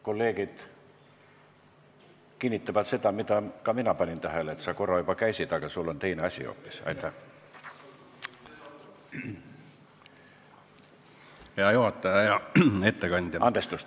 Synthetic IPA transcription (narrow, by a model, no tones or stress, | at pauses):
ko̞lːe̞ːɡ̥id̪̥ | kinʲːit̪ːˑɑvɑt̪se̞t̪ɑmit̪ɑkɑminɑpɑnʲint̪æɦæleet̪sɑko̞ɾɑjubɑkæjsʲit̪ɑɡ̥ɑsulːont̪e̞jneɑsʲḭo̰pːi̥sɑ̰jt̪ːæ | ɑjohɑt̪ːˑɑjɑjɑet̪ːekɑnʲd̪ʲɑnd̪̥est̪ust̪